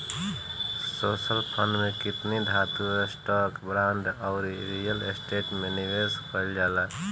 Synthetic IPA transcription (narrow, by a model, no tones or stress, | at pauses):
sosəlpʰənmekit̪nid̪ʱat̪uesʈɔkbɾaɳɖaʊɾiɾijəlesʈeʈmeniʋeskəɪld͡ʒala